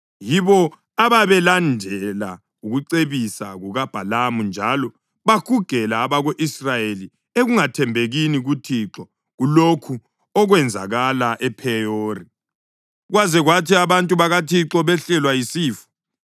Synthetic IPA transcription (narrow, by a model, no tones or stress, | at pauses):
jiβɔ | aβaβɛlandʱɛla | uɣuǀeβisa̰ɣuɣab̥ʱalamund͡ʒʱalɔ | βakuɡ̥ʱɛlaːβaɣoʔisrajeli | eɣuŋatʰɛmbʱeɣiniɣutʰiǁɔ | ɣulokʰu | ɔɣwɛnd͡zʱa̰ɣalaʔɛpʰɛoːri | ɣwazɛɣwatʰiaβantʼuβaɣatʰiǁɔβɛɬɛlwajisiːfu̥